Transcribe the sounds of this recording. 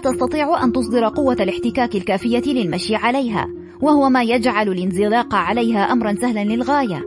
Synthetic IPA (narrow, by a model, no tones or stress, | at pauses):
t̪ɑst̪ɑt̪ˤiːʕʊʔant̪ʊsˤd̪ɨɾˤɑqʊwːalɪħt̪ɪkaːkɪlkaːfɪjːalɪlmaʃjɪʕalajɦa̰ː | wahʊwamaːjad͡ʒʕalalɪnzɪlɑːqʕalajɦaːʔamɾˤɑnsahlanlɪlɣaːja